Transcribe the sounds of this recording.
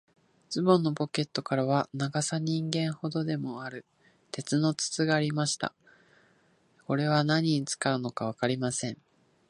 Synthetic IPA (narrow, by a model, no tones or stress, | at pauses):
t͡sɨbõnːo̞bo̞ke̞t̪ːo̞kaɾaβ̞anaɡasaɲ̟ĩŋɡẽ̞ɰ̃ho̞d̪o̞d̪e̞mo̞aɾɯ̟ | t̪e̞t͡sɨno̞t͡sɨ̥t͡sɨɡaːɾʲimaɕi̥t̪a̰ | ko̞ɾe̞β̞anaɲ̟iɲit͡sɨ̥kaɯ̟no̞kaβ̞akaɾʲimasẽ̞ɴ